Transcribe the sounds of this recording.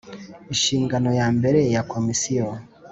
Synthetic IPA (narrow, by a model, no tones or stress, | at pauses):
iʃiːŋɡano̞jaːmbe̞ɾejakʰomisijo